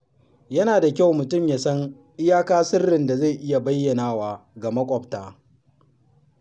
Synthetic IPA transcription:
jɐ˦naː˨da˨kʲa˦wmʊ˨tʊ˦˨mjaː˨sɐ˦ŋ | ʔɪ˦jaː˦kaː˦sɪ˦rːɪ˨nda˨za˦˨jʔɪ˦ja˨bɐ˦jːɐ˨naː˦waː˨ɡa˨mɐ˦kʷʼɔ˨ptaː˨

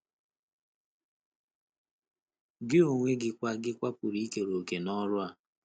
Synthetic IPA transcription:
ɡɪ˦o˨ŋʷe˦ɡɪ˦kʷa˦ɡɪ˦kʷa˦pʊ˨ɾi˦ke˨ɾo˨ke˨nɔ˦ɾʊ˦a˨

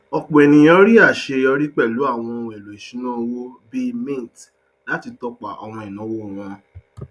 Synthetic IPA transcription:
ɔ˨k͡po˨ɛ˨nĩ˨j̃ɔ̃˦ɾi˦a˦˨ʃe˧ɔ˧ɾi˦k͡pɛ˦˨lu˨˦a˦˨w̃ɔ̃˧wɛ˨lo˨e˨ʃĩ˨˦nã˦˧wo˦bi˦mĩ˦˨t | la˨˦ti˧tɔ˦k͡pa˨ʔɔ̰˧w̃ɔ̃˧ĩ˨nã˨˦wo˦˨wɔ̃˧

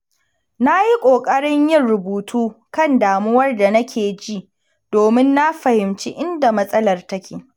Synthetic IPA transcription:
na˦ji˦kʷʼoː˨kʼɐ˦ɽɪ˦ɲjɪ˦nɾʊ˨buː˨tʰuː˦kɐ˦˨ndaː˨mʊ˦wɐ˦rda˨nɐ˦kʲʰeː˨d͡ʒi˦˨ʔ | d̥oː˨mɪ˦nːa˦ɸɐ˨hɪ˨mt͡ʃi˦ʔɪ˦nda˨mɐ˦sʼɐ˦lɐ˨rtɐ˦kʲeː˨

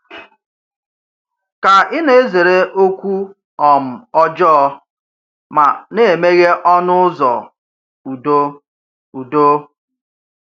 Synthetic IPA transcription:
ka˨ɪ˦ne˨e˦ze˨ɾe˦ʔo˦kʷu˦ | ɔ˨m̩˨ɔ˦d͡ʒɔ˦ | ma˨ne˨e˨me˦ɣe˦ʔɔ˦nʊ˦zɔ̰˨ | u˨do˦ | u˨do˦

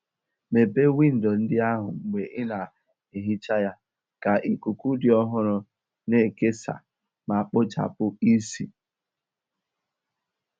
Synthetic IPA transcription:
me˨be˦wi˦˨n̩˨dɔ˨n̩˦dɪ˦a˦ɦʊ̰˨ŋ͡m̩˨ɡ͡be˨ʔɪ˦na˨ | i˨ɦi˦t͡ʃa˦ja˦ | ka˨ʔi˨ku˨ku˦dɪ˨ɔ˦ɦʊ˦ɾʊ˦ | ne˨ke˦sa̰˨ | ma˨k͡pʊ˦t͡ʃa̰˨pʊ˦i˦si˨

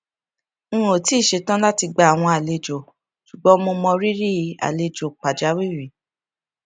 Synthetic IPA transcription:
ũ˦o˨ti˨˦˨ʃe˧tã˦la˦ti˧ɡ͡ba˧˨a˨w̃ɔ̃˧a˨le˧d͡ʒo˨ | ʃu˨ɡ͡bɔ˨˦mõ˧mɔ̃˧ɾi˦ɾi˦˧˦a̰˨le˧d͡ʒo˨k͡pa˨d͡ʒa˨˦wi˦˨wi˨˦

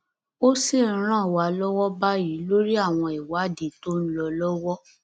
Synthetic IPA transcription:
o˦si˦˨n̩˦ɾ̃ã˦˨wa˨˦lɔ˦wɔ˦ba˦ji˨˦lo˦ɾi˦a˦˨w̃ɔ̃˧i˨wa˨˦di˨to˦ñ̩˦lɔ˧lɔ˦wɔ˦

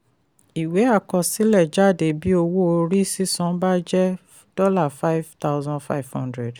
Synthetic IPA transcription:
i˨we˨˦a˦˨kɔ̃˧si˦lɛ˦˨d͡ʒa˦˨de˨bi˦o˧wo˦o˧ɾi˦si˦sɔ̃˨˦ba˦d͡ʒɛ˦ | d̥ɔ˦la˦˨fa˦i˦vta˦ʊzɔ̃˦fa̰˦i˨vhɔ̃˦ndɾɛ˨d

